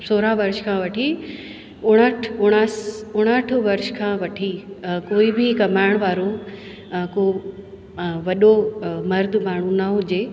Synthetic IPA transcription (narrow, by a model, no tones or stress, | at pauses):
soːɾãʋɐɾʃkʰãʋɐʈʰi | ʊɽ̃əʈʰʊɽ̃əsʊɽ̃əʈʰʊʋɐɾʃkʰãːʋɐʈʰikoːibɪkɐmaːɪɽ̃ʋaːɾo | ko | ʋɐɗomɐɾd̪ʱmaːɳ̤ũnɐɦʊd͡ʑeː